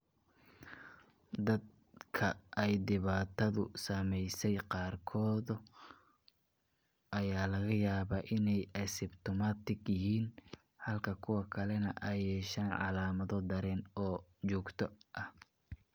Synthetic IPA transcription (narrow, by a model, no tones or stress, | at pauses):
d̪ɐd̪̚ | kʰɐʔɛjd̪ɪβaːt̪ʰɐðʊsɐmɛjsɛjqɑːrkʰɔːðʊ | ʔɐjaːlɐɣɐjaːβaːʔɪnɛjɐsɪbt̪ʰɔmaːt̪ɪɡjɪɦiːn | hɐlkʰɐkʰʊwɑkʰɐlɛnɐʔɐjɛːʃaːnʕɑ̰laːmɐðɔd̪ɐɾɛːnɔːt͡ʃɔːɡt̪ʰɔʔɐh